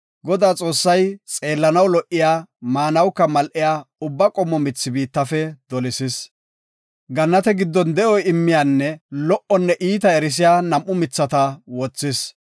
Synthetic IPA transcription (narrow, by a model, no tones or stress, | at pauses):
ɡɔd̪aːt͡sʼo̞ːsːɐjt͡sʼe̞ːlːɐnɐwlɔʔːɪjaːmaːnɐwkːɐmɐlʔɪjaːʊbːɐkʼɔmːɔmɪt͡sːɪbiːt̪ːɐfɛd̪̥ɔlɪsɪs | ɡɐnːɐt̪ɛɡɪd̪ːɔnd̪ɛʔɔjɪmːɪjaːnːɛlɔʔɔnːɛʔiːt̪ɐɛɾɪs̬ɪjaːnɐmʔʊmɪt͡sːɐt̪ɐwɔt͡sːɪs